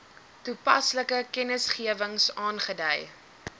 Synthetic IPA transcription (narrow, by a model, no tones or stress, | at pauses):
tupɐ̰sləkəkɛnəsχiəvəŋsɑːnχədəj